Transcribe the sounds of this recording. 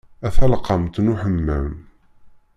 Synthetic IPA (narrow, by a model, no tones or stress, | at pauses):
æθælqːəmt̪nuħəmːə̰m